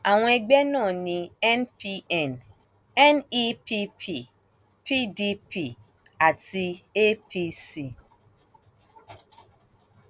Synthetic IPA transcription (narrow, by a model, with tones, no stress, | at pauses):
a˨w̃ʷe˦˨ɡ͡be˦nɔ̃˦˨nĩ˨ɛ˦npi˦ɛ˨n | ɛ˦ni˦pi˦pʰi˨ | pi˦di˦pi˨ | a˨ti˦e˦pi˦si˨